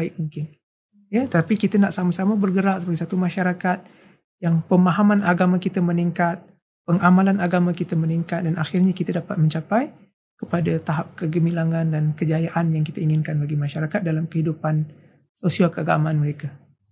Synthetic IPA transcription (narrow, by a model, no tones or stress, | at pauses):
aɪk̚muŋkɪn | jat̪ət̪apikit̪ənaʔsamasamabərɡəɾaʔsəbaɡɛjsat̪umaʃaɾakat̪̚ | jaŋpəmaɦamanaɡamakit̪aməniŋkat̪̚ | pəŋamalanaɡamakit̪aməniŋkat̪̚danaxɪrɲakit̪adapat̪̚məɲt͡ʃapaj | kəpadat̪aɦap̚kəɡəmilaŋandankəd͡ʒajaʔanjaŋkit̪aiŋɪnkanbaɡimaʃaɾakat̪̚dalamkəhidupan | sosiakəaɡamaːnməɾeka